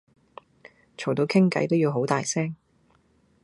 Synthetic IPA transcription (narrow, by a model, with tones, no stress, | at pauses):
t͡ʃʰo˨˩wt̪o˧wkʰɪ˥ŋkɐ̰˨˥jt̪o˥wjiː˨˧wɦo˨˥wt̪aː˨jsɛː˥ŋ